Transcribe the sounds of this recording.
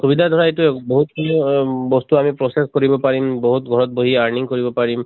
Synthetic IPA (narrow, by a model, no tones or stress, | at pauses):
subidʱad̪ʱɔɹaetuboɦutkibɔst̪uamipɹɔseskoɹibɔpaɹimbɔɦutɡʱɔɹɔt̚boɦiaɹniŋkoɹibɔpaɹim